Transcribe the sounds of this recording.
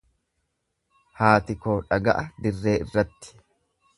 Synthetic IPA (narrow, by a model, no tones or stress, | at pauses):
haːt̪ɪko̞ːᶑɐɡɐ̰ʔɐd̪ɪrːe̞ːɪ̰rːɐt̪ːɪ̥